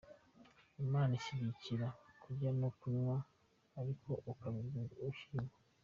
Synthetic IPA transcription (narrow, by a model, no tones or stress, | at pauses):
imaːniciβiciɾakʰuɟanokunwaː | ɾikʰo̞ʔːkaβizuːɡuouʃima